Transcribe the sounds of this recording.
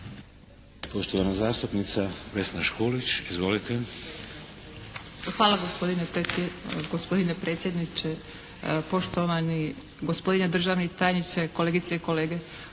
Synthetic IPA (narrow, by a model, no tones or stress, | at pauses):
poʃt̪oʋanazaːst̪upnit̪saʋesnaʃkoːlit͡ɕizʋo̞lit̪e | xʋaːlaɡospod̪ineeɡospo̞d̪inepɾeːt̪sjed̪nit͡ʃe | po̞ʃt̪oʋani | ɡospod̪ined̪r̩ʒaʋnit̪aːjnit͡ʃeko̞leɡit̪seiko̞leːɡe